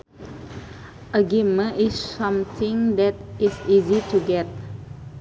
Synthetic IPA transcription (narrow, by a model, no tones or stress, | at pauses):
ʔəɡimə̃nisːãmt̪ʰĩŋd̪ɛtisizituɡɛt̚